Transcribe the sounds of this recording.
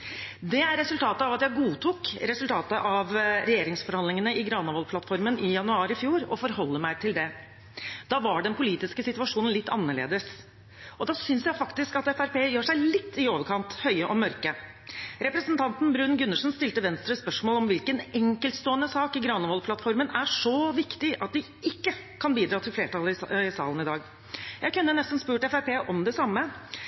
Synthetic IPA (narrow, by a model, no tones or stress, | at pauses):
d̪ɛæɾːɛsʉlt̪ʰɑːt̪əɑʋɑt̪jæɪɡuːt̪ʰuːkɾɛsʉlt̪ʰɑːt̪əʔɑʋɾɛjeːɾɪŋsfɔɾhɑnd̪ɪŋənəɪɡɾɑnʋɔlpʰlɑt̪fɔɾmənɪjɑnʉɑːɾɪfjuːɾɔ̰fɔɾhɔlːəmæɪt̪ʰɪld̪ɛ | d̪̥ɑːʋɑɖɛnpʰʊliːt̪ɪskəsɪt̪ʉɑʂuːnn̩lɪt̪ːɑ̰nːəɭḛːd̪əs | ɔd̪ɑːsʏnsjæɪfɑkt̪ɪskɑt̪ɛfæɾpeːjøːʂæɪlɪt̪ʰːɪoːʋəɾkʰɑnt̪hœʏəʔɔmœɾkə | ɾɛpɾəsnt̪ʰɑnt̪nbɾʉnɡʉnːəʂnst̪ɪlt̪əʋɛnst̪ɾəspœʂmoːlɔmʋɪlkənɛŋkəlt̪st̪oːənəsɑːkɪɡɾɑnɔʋɔlpʰlɑt̪fɔɾmənæʂɔʋɪkt̪ɪʔɑt̪̚d̪ɪ | ʔɪkːə | kʰɑnbiːd̪ɾɑːt̪ʰɪlfleːʈʰɑləɪsɑ̰ːlən̩ɪd̪ɑːɡ | jæɪkʉnːənɛst̪n̩spʉːʈɛfæɾpeːʔɔmd̪ɛsɑmːə